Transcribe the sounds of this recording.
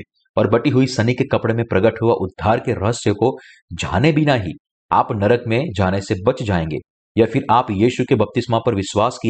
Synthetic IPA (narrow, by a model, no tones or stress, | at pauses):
ɔːɾbɐʈiɦuisɐnikekɐpɽemẽpɾɐɡəʈɦuaʔʊd̪ʱːaːɾkeɾɐɦəsjəko | d͡ʒʱaːnebʱinaɦi | a̰ːpnɐɾəkmẽd͡ʒaːnesebɐt͡ʃd͡ʒaːẽːŋɡḛː | jafɪɾʔaːpjiːʃukebɐp̚t̪ɪsmapɐɾʋɪʃwaːski